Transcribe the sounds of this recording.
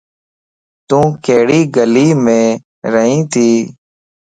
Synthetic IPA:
t̪ũːkeːɽiːɡəliːmẽː | ɾəɦĩːt̪ʰiː

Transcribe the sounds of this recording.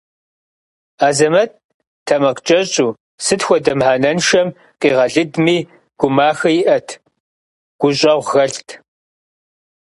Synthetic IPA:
aːzɐmɐt̚ | tʰɐmɐqt͡ʃʼɐɕɕʼuː | sɨtxʷɔdɐmħaːnɐnʃɐm | qʼiːʁɐɮɨdmiː | ɡ̥ʷʊmaːxɐjɪʔɐtʰ | ɡ̥ʷʊɕʼɐʁʷɣɐɬtʰ

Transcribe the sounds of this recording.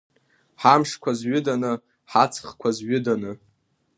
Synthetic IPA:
ħamʂkʷʰazɥʏdanɨ | ħat͡sʰχkʷʰazɥʊdanɨ

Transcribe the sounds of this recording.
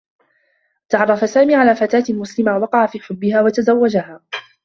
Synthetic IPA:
t̪aʕɑrˤːɑfasaːmiːʕalaːfat̪aːt̪lmʊslɪmawɑqɑʕafiːħʊbːɪhaːwat̪azawːad͡ʒahaː

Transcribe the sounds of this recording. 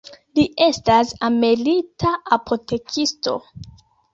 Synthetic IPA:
liʔe̞stasamelitʰaapʰo̞te̞kʰisto̞̰

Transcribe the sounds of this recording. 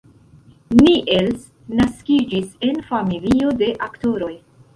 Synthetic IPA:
niʔels | naskid͡ʒise̞nfamilio̞de̞ʔakto̞ɾo̞j

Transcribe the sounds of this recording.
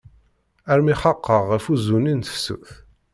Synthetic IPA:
æɾmiχɑqːəʁːəfuzuninθsːṵθ

